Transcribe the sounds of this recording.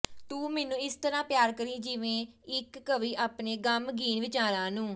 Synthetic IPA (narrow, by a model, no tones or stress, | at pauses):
t̪uːmɛːnũːɪst̪əɾãːpjaːɾkəɾiːd͡ʒɪʋẽːɪkːəʋiːʔaːpneːɡəmɡiːnʋɪt͡ʃaːɾãːnũː